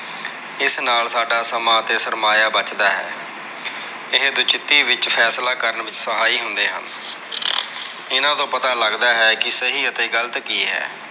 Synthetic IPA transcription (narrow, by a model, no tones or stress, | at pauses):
ɪsnaːlsaːɖaːsəmaːt̪eːsəɾmaːjaːbət͡ʃd̪aːɦɛ̰ː | ɪɦd̪ʊt͡ʃɪt̪ːiːʋɪt͡ʃpʰɛːslaːkəɾəɳʋɪt͡ʃsəɦaːiːɦʊnd̪eːɦə̰n | ɪnãːt̪õːpət̪aːləɡd̪aːɦɛːkɪsəɦiːət̪eːɡəlt̪kiːɦɛ̰ː